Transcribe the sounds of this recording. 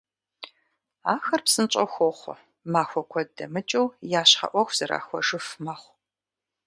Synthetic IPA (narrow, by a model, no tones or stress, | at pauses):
aːxɐrpsɨnt͡ʃʼɐxʷɔχʷ | maːxʷɔkʷʰɔdɐmɨt͡ʃʼɐwjaːɕħɐ̰ʔʷɔxʷz̥ɐɾa̰ːxʷɔ̰ʒɨfmɐχʷ